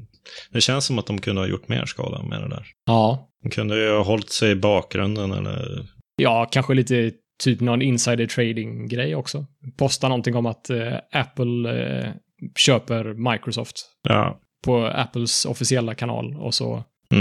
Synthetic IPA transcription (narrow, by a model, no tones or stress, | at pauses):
d̪ɛɕɛnsːɔmat̪̚d̪ɔmkʰɵnd̪əhajʊ̰ʈːmḛːɾʂkɑ̰ːd̪la̰mɛ̰d̪ɛd̪æːɾɑː | mkʰɵnd̪əhjhɑɦɔlt̪sɛjbɑːk̚ɡɾɵnd̪ənɛ̰lːəjɑːkʰanɧəliːt̪ə | t̪ʰyːpnɔnɪnsajd̪ət̪ʰɾɛɪd̪ɪŋɡɾɛjːɔksɔpʰɔst̪anɔnt̪ɪŋɔmat̪ʔæpːəl | ɕøːpəɾmajkɾɔsɔːft̪ | jɑ̰ː | pʰɔæ̰pːəl̩sɔ̰fɪsɪɛlːakʰanɑ̰ːlɔ̰sɔ̰